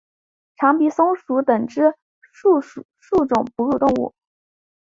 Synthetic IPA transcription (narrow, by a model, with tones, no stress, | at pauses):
ʈ͡ʂʰɑ˧˥ŋpi˧˨˥sʊ˥ŋʂu˧˥t̪ə˨˩ŋʈ͡ʂɻ̩˥ | u˥˧ | ʂu˥˩ʈ͡ʂʊ˨˩ŋpu˧˥ɻu˥˧t̪ʊ˥˧ŋṵ˥˩